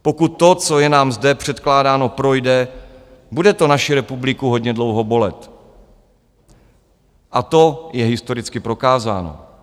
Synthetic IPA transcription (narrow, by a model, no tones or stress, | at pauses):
po̞kut̪ːo̞t͡so̞jɛnaːmzdɛpr̥ɛt̪klaːdaːno̞pɾo̞jdɛ | budɛt̪o̞naʃɪɾɛpublɪkuɦo̞ɟɲɛdlo̞wɦo̞bo̞lɛt̪ | ʔat̪o̞jɛɦɪst̪o̞ɾɪt͡skɪpɾo̞kaːza̰ːno̰